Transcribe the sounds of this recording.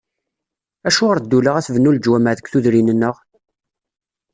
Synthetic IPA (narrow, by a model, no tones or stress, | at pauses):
æʃʊʁəɾd̪ːuləʁæθvənːuld͡ʒwæmæðəkʷθuðɾinənːəʁ